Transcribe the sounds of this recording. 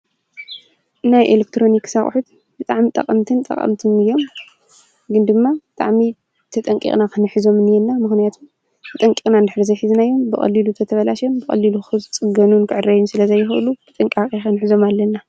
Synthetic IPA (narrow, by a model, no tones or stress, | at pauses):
najʔelek̚t̪ʰɾo̞niksaxʼħut̪ | bɨt̪ʼaʕmit̪ʼɐ̰qʼɐmt̪ʰɨnt̪ʼɐ̰qʼɐ̰mt̪ʰɨnɨjːo̞m | ɡɨnd̪ɨmːabɨt̪ʼa̰ʕmi | t̪ʰɐt̪ʼɐŋkʼḭkʼnakʰɨnħɨzo̞mɨnɨjɛnːamɨxnijat̪ʰum | t̪ʰɐt̪ʼɐŋkʼikʼnand̪ɨħɾizɐjħiznajːo̞mbɨχʼɐ̰lːilut̪ʰɐt̪ʰɐβɐlaʃombɨkʼɐ̰lːiluxɨt͡sʼɨɡɐnunkʰɨʕɨrːɐjɛnsɨlɐzɐjːɪxʔɨ̰lub̥ɨt̪ʼɨŋkʼakʼixɨnħɨzo̞malːɐnːa